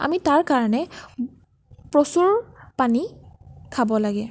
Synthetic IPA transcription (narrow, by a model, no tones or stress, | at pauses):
a̰mitaɹkaɹɔnɛ | pɹosuɹpanikʰabɔlaɡɛ